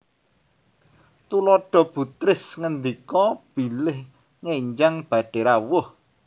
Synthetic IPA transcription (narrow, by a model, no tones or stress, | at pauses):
t̪ulɔɖ̥ɔ̤b̥ṳt̪ɾɪsŋənd̪ikɔb̥i̤lɪh | ŋeɲd͡ʒaŋb̥ä̤ɖ̥e̤ɾawʊh